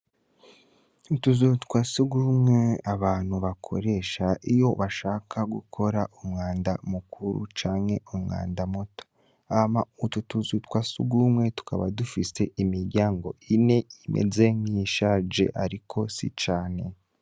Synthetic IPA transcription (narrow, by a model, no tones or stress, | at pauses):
utuzutkwasiɡumŋe̞aβaːn̥huβakʰo̞̰ɾe̞ʃaʔijo̞βaʃaːkʰaɡṵkʰo̞ɾaʔumŋaːndamukuɾṵt͡ʃaːŋhe̞umŋa̰ːndamoto̥ | amaututuzutkwasṵɡumŋwe̞tu̥ka̰βa̰dufise̞ʔimiɾɟaːŋɡo̞ʔine̞imḛzeŋiʃad͡ʒe̞̰ʔaɾikʰo̞sḭt͡ʃaːne̞